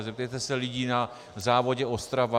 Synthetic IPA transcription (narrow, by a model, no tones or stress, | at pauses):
zɛp̚t̪ɛjt̪ɛsɛlɪɟiːna | zaːvo̞ɟɛost̪ɾava